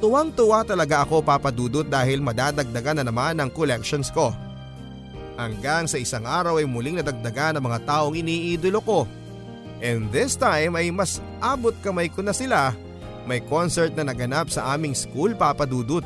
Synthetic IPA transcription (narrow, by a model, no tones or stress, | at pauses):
t̪ʊʔaŋt̪ʊwat̪ɐlɐɡaʔɐko̞papɐd̪uːd̪ʊt̪̚d̪aːhɪlmɐd̪aːd̪ɐɡ̚d̪ɐɡanːɐnɐmanɐŋkolɛk̚ʃonsko̞ | hɐŋɡaŋsɐʔɪsaŋʔaːɾɐwɐjmʊlɪŋnɐd̪ɐɡ̚d̪ɐɡanːɐŋmɐŋat̪aːʔo̞ŋʔɪniːʔiːd̪olo̞ko̞ | ʔɛnd̪ɪst̪ajmɐjmɐs | ʔaːbot̪̚kɐmɐjkonɐsɪla | mɐjko̞nsɛɹt̪̚nɐnɐɡɐnapsɐʔaːmɪŋskulpaːpɐd̪uːd̪ʊt̪̚